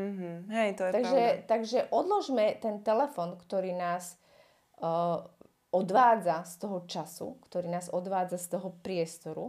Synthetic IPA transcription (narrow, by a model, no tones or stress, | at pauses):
m̩ɦ̩ɦɛjt̪ɔjɛt̪aɡʒɛt̪aɡʒɛʔɔd̪lɔʒmɛt̪ɛnt̪ɛlɛfɔːnkt̪ɔɾiːnaːs | ɔd̪ʋaːd͡zast̪ɔɦɔt͡ʃasṵkt̪ɔɾiːnaːzɔd̪ʋaːd͡zast̪ɔɦɔpɾɪɛst̪ɔɾṵ